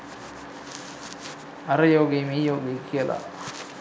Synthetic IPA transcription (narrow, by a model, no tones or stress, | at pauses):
ɐɾɐjoːɡeːmiːjoːɡekiɐlʔa̰